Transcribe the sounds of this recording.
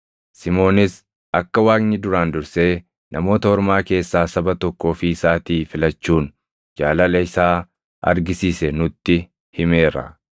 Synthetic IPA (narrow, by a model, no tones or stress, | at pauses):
sɪmo̞ːnɪs | ɐkːɐwaːɡnɪd̪ʊɾaːnd̪ʊɾse̞ː | nɐmo̞ːt̪ɐɔɾmaːke̞ːsːaːsɐbɐt̪ɔkːo̞ːfɪɪsaːt̪iːfɪlɐt͡ʃːuːn | d͡ʒaːlɐlɐɪsaː | ɐ̰ɾɡɪsiːsɛnʊt̪ːɪ | hɪme̞ːɾɐ̰